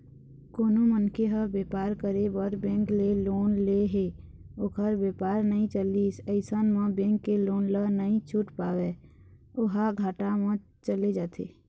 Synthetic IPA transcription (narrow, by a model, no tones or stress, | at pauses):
koːnõmənkeɦəbeːpaːɾkəɾebəɾbɛ̃ːŋkleloːnleɦe | ʊkʰəɾbeːpaːɾnəɦĩt͡ʃəliːsəɪsənmãbẽːŋkːeloːnlənəɦĩt͡ʃʰʊʈpaːweːʊɦaɡʱaːʈamã | t͡ʃəled͡ʒaːt̪ʰḛː